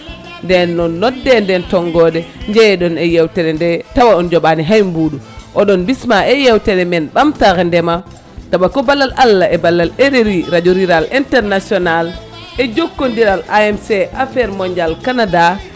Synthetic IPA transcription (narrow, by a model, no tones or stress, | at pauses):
ndɛnːɔnːɔdːɛndɛntɔŋɡɔɗɛɲd͡ʒɛɗɔnɛjɛwtɛɾɛndɛtawaɔnd͡ʒɔɓaniɦajmbuːɗuʔɔɗɔnbismaɛjɛwtɛɾɛmɛnɓamtaɣɛndɛma | taɓakɔbalːalʔalːaʔɛbalːaleɾeɾiɾad͡ʒoɾiɾalʔintɛɾnasiɔnal | ɛd͡ʒokːondiɾalaɛmsɛʔafɛɾmɔɲd͡ʒalkanada